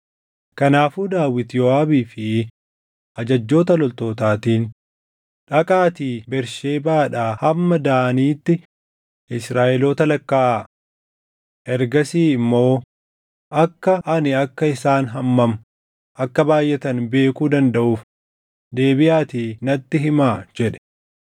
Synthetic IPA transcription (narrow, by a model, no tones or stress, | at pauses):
kɐnaːfuːd̪aːwɪt̪jɔaːbiːfɪ | ʔɐd͡ʒɐd͡ʒːo̞ːt̪ɐlɔlt̪o̞ːt̪aːt̪iːn | ᶑɐkʼaːt̪iːbɛɾʃeːbaːᶑaːhɐmːɐd̪aːniːt̪ːɪ | ʔɪsɾaːʔɛloːt̪ɐlɐkːaːʔa | ʔɛɾɡɐsiːɪmːo̞ː | ʔɐkːɐʔɐnɪɐkːɐɪsaːnɦɐmːɐmɐ | ʔɐkːɐbaːjʔɛt̪ɐnbe̞ːkuːd̪ɐnd̪ɐʔuːf | d̪e̞ːbɪʔaːt̪iːnɐt̪ːɪɦɪmaːd͡ʒɛᶑɛ̥